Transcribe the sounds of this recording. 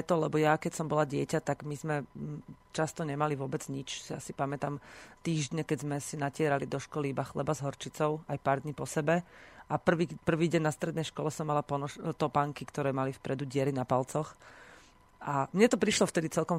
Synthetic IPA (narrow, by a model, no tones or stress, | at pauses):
ɛt̪ɔlɛbɔjakɛcsɔmbɔlaɟɪɛcat̪aɡmizmɛ | t͡ʃast̪ɔɲɛmaliʋʊɔbɛd͡zɲit͡ʃsja̰sipamɛt̪amt̪iːʒɟɲɛkɛɟzmɛsinacɪɛɾalid̪ɔʃkɔlibaxlɛ̰bazɦɔɾt͡ʃit͡sɔʊajpaːɾd̪ɲiːpɔsɛbɛʔapr̩ʋipr̩ʋiːɟɛɲnast̪ɾɛd̪nɛjʃkɔlɛsɔmːalapɔnɔt̪ɔpaŋkikt̪ɔɾɛːmalifpɾɛd̪uɟɪɛɾinapalt͡sɔx | ʔamɲɛt̪ɔpɾiʃlɔft̪ɛd̪it͡sɛlkɔm